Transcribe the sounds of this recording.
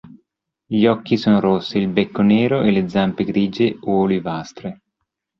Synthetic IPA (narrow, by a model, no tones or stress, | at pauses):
ʎɔkːisoːnoɾosːiilbekːoneːɾoʔeled̪zampeɡɾiːd͡ʒeoolivast̪ɾe